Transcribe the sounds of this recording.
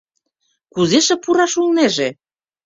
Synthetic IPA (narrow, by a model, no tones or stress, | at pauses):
kuzeʃĕpuɾɑʃulˠneʒe